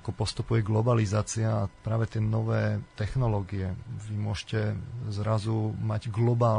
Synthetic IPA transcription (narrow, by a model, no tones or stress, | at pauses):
akɔpɔst̪upujɛɡlɔbalizaːt͡siaːpɾaːʋɛt̪ɪɛnɔʋɛːt̪ɛxnɔlɔːɡiɛʋimʊɔʒcɛzɾazumaɟɡlɔbaː